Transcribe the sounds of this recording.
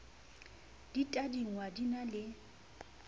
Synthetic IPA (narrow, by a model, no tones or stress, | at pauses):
d̥itʼadiŋ̩wadinalɪ